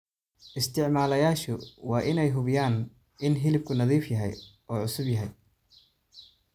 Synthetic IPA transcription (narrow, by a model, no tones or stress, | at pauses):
ʔɪst̪ʰɪʕmaːlɐjaːʃʊwɑːʔɪnɛjɦʊβɪjaːn | ɪnɦɪlɪb̚kʰʊnɐðiːfjɐɦɛ̰j | ɔːʕʊsʊbjɐɦɛj